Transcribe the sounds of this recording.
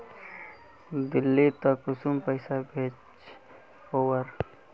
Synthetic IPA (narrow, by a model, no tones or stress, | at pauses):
d̪ɪlːit̪əkʊsumpəɪsabʱeːt͡ʃ | owəɾ